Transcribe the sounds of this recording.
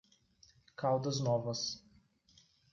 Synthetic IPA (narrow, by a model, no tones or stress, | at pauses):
kawd̪əznɔvəs